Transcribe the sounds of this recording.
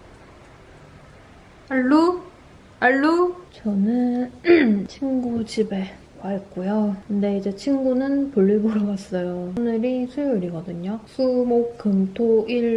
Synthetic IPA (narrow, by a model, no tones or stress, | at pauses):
aɭːu | aɭːut͡ɕʌnɯn | t͡ɕʰinɡud͡ʑibe̞ | waɭk͈ojokɯnde̞id͡ʑe̞t͡ɕʰinɡunɯnpuɭːibʌɾʌɡas͈ʌjonɯɾisʰujoiɾiɡʌdɯɲosʰumokkɯmtʰoiɭ